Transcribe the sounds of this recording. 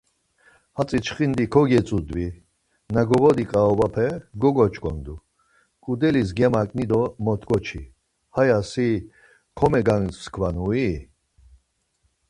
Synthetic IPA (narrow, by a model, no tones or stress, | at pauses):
hat͡sʼit͡ʃʰχind̪ikʰɔɡɛt͡sʼud̪vi | naɡɔʁɔd̪ikʼaɔvapʰɛɡɔɡɔt͡ʃʼkʰʼɔ̰nd̪u | kʼud̪ɛlis̬ɡɛmakʼnid̪ɔmɔt̪ʰɡʼɔt͡ʃʰḭ | hajasi | kʰɔmɛɡaŋsskʰvanui